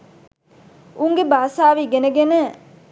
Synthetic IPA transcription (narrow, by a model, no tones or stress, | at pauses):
uŋɡebaːsaːʋiːɡenəɡenə